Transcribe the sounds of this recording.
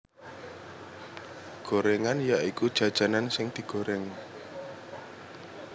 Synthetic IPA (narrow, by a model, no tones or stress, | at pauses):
ɡ̥oɾeŋanjaʔikud̥ʒ̥ä̤d̥ʒ̥a̤nansɪŋd̪̥i̤ɡ̥o̤ɾɛŋ